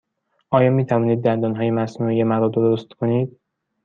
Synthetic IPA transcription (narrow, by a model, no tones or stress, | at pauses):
ʔɒːjɒːmiːt̪ʰævɒːniːd̪̚ːænd̪ɒːnɦɒːje̞mæsnuːijemæɾɒːd̪oɾost̪kʰoniːd̪̥